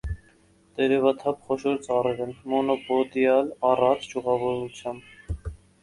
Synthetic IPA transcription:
d̪̥ɛɾɛvɑt̪ʰɑpχɔʃɔɾt͡sɑrɛvɛnmɔnɔpɔd̪jɑlɑrɑt͡sʰd͡ʒuʁɑvɔɾut͡sʰjɑmb

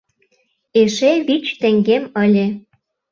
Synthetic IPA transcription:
eʃeβit͡ɕt̪ĕŋɡemə̆lʲĕ

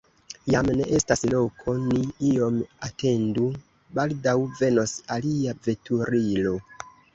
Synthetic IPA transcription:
jamne̞ʔe̞staslo̞kʰo̞niio̞matʰe̞ndu | baldawve̞no̞saliave̞tʰuɾilo̞

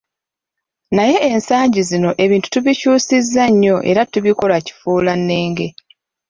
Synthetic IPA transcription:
naje̞ʔensaːɲɟizino̞ʔe̞βiːntu̥tuβicuːsizːaɲːo̞ʔe̞̰ɾatuβiko̞laci̥fuːlanːe̞ːŋɡe̞

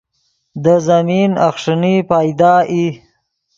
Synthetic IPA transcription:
d̪əzamina̰xʂənipɑjd̪ɑːʔi

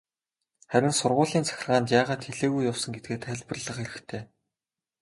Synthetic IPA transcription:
χæɾʲɪ̆nsʊrʁʊːɮiːnt͡sʰæ̥xʲɪ̆rʁaːnt̪jaːʁaːt̪xeɮeːɣujːawsə̆ŋɡet̪̚ɡeːt̪ʰæɮpə̆rɮə̆χeɾɘ̆xt̪ʰeː

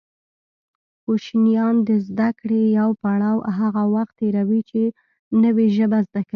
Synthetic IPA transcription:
xoʃnjɑnd̪əzd̪akɽejawpaɽɑwɦaɣawaxt̪ːeɾawit͡ʃe | nəweʒəbazd̪akai

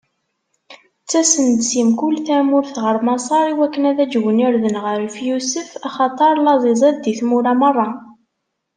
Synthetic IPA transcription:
t͡sːæsənd̪simkʊlːθæmʊɾθʁəɾˤmɑsˤɑɾˤiwækːənæðæd͡ʒwəniɾðənʁəɾfjusəfɑχɑt̪ˤəɾˤlɑzˤizˤɑðd̪iθmuɾæmərˤːɑ

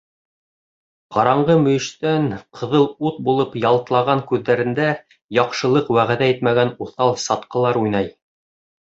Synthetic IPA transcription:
qɑɾɑɴɢɤmɵ̆jɘ̆ʃt̪ænqʰɤ̆ðɤlˠut̪̚bulˠɤpjɑlˠt̪lˠɑʁɑŋkʉðːæɾɘ̆nd̪æ | jɑqʃɤ̆lˠɤqwæʁæðæit̪mæɡænuθɑlˠsɑt̪qɤ̆lˠɑɾujnɑj

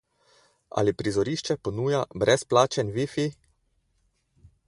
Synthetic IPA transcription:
a̰lipɾizɔɾiːʃt͡ʃɛpɔnuːjabɾɛsplaːt͡ʃɛnʋifi

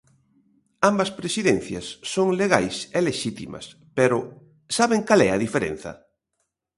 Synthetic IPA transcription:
ambɐspɾesiðen̟θjɐ̰sːoŋleɣajseleʃit̪imɐ̰s | pɛɾʊ | saβeŋkalɛɐðifeɾḛ̃n̟θɐ̰

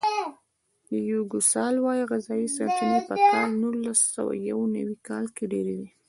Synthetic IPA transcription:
d̪əjuɡusɑlwɑjiɣɪzɑjisɑtinepəkʰɑlnulasa̰wa̰jawna̰wikɑlkeɖeɾed̪i

